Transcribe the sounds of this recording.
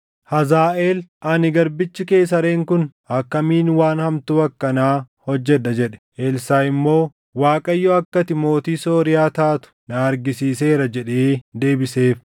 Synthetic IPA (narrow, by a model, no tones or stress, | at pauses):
hɐzaːʔeːlʔɐnɪɡɐɾbɪt͡ʃːɪke̞ːs̬ɐɾe̞ːŋkʊnhɐkːɐmiːnwaːnhɐmt̪ʊɐkːɐnaː | hɔd͡ʒːɛᶑɐd͡ʒɛᶑɛ̥ʔeːlsaːɪmːo̞ː | waːkʼɐjːoɐkːɐt̪ɪmo̞ːt̪iːso̞ːɾɪjaːt̪aːt̪ʊ̥nɐɐɾɡɪsiːse̞ːɾɐd͡ʒɛᶑeːd̪e̞ːbɪse̞ːf